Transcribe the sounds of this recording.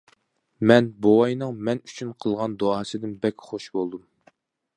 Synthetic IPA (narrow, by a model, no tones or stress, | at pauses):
mɛnbowɑjnɨŋmɛny̥t͡ʃʰynqʰəlˠʁɑnd̪oɑːsɨd̪ɪnbɛkʲχoʃbolˠd̪um